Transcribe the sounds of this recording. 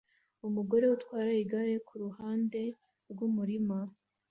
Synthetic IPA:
umuɡo̞ɾe̞utwaːɾaiɡaɾe̞kʰuɾuhaːnde̞ | ɾɡumuɾima

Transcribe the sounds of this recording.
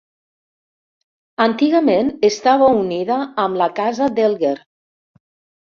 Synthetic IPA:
ant̪iɣamenest̪aβauniðaːmlakazad̪elɣeɾ

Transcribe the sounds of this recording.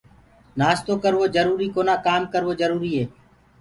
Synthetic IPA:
naːst̪oːkəɾʋoːd͡ʒəɾuːɾiːkoːnãːkaːmkəɾʋoːzəɾuːɾiːɦeː

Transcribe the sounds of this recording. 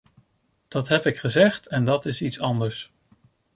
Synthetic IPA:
d̥ɑtɦɛpɪkχəzɛχtʰɛndɑtɪsitsɑndəɹs

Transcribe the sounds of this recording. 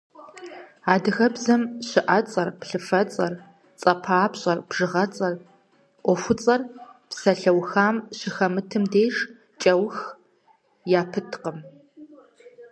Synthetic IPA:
aːdɨxɐbzɐmɕɪʔɐt͡sʼɐrpɬɨfɐt͡sʼɐr | t͡sʼɐpʰaːpɕʼɐrbʐɨʁɐt͡sʼɐr | ʔʷɔfʷʊt͡sʼɐrpsɐɬɐwxaːmɕɪxɐmɨtʰɨmdeːʂ | t͡ʃʼɐwx | jaːpʰɨtʰqəm

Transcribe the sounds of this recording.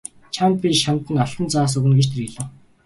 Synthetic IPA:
t͡ɕʰamt̪̚pʲiʃamt̪ə̆nɔɬt̪ə̆nt͡saːs̬ɵɣɘ̆nɡet͡ɕt̪ʰeriɮɘ̆w

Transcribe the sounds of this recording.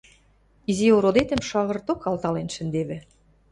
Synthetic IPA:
izioɾod̪et̪ə̆mʃɑɣɤ̆rt̪okɑlt̪ɑlenʃɘ̆nd̪eβɘ̆

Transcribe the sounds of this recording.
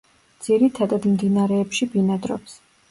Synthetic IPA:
d̪z̥iɾit̪ʰad̪ad̪md̪inaɾɛːpʃibinad̪ɾɔps

